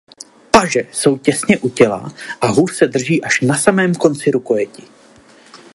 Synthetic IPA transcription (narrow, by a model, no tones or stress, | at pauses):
paʒɛso̞wcɛsɲɛʔucɛla̰ʔaɦuːrsɛdr̩ʒiːʔaʃnasamɛːmko̞nt͡sɪɾuko̞jɛcɪ